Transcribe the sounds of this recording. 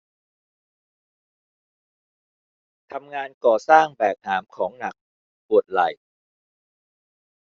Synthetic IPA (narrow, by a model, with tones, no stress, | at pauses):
t̪ʰa˧mŋaː˧nkɔː˨˩saː˥˩ŋbɛː˨˩k̚haː˩˦mkʰɔː˩˦ŋna˨˩k̚ | pu˨˩ət̪̚la˨˩j